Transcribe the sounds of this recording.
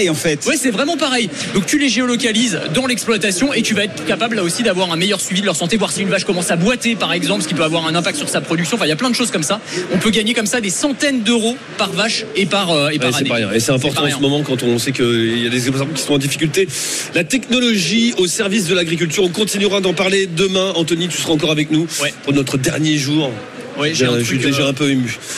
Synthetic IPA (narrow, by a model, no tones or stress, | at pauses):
jɑ̃fɛt̪wɛsɛvʁɛmɑ̃paʁɛj | d̪ɔ̃k̚t̪yleʒeɔlɔkalizd̪ɑ̃lɛksplwat̪asjɔ̃et̪yvaɛt̪χkapablːaosid̪avwaʁɛ̃mɛjœʁsɥivid̪əlœʁsɑ̃t̪evwaʁsiynvaʃkɔmɑ̃sabwat̪epaʁɛɡzɑ̃pskipøavwaʁɛ̃nɛ̃pak̚t̪syʁsapχɔd̪yksjɔ̃ɑfɛ̃iljaplɛ̃d̪əʃozkɔmsa | ɔ̃pøɡaɲekɔmsad̪esɑ̃t̪ɛnd̪øʁo | paʁvaʃepaʁøeaaɛpaʁjesɛt̪ɛ̃pɔʁt̪ɑ̃ɑ̃səmɔmɑ̃kɑ̃t̪ɔ̃sɛkəiljad̪ezɛpsaɔ̃kʲi̥sɔ̃t̪ɑ̃d̪ifi̥kʲylt̪e | lat̪ɛknɔlɔʒiosɛʁvis̬d̪əlaɡʁik̬ʲylt̪yʁɔ̃kɔ̃t̪inyʁad̪ɑ̃paʁled̪əmɛ̃ɑ̃t̪ɔnit̪y̥səʁaɑ̃kɔʁavɛknuwɛpuʁnɔt̪χəd̪ɛʁnjeʒuːʁ | wɛʒʒɛʒyeɛɛ̃pøemy